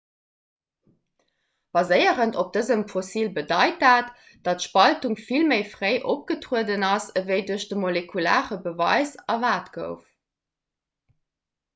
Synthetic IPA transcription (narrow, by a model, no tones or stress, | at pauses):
b̥ɑzəɪəʁəntop̚d̥əzəmfosiːlbədɑɪt̚aːt | d̥ɑtʃpɑltuŋfilməɪfʁəɪʔop̚ɡ̥ətʁuədənɑsəvəɪduɐɕd̥əmolekʰula̰ːʁəbəvɑ̰ɪzɑvaːtɡ̥ə̰ʊf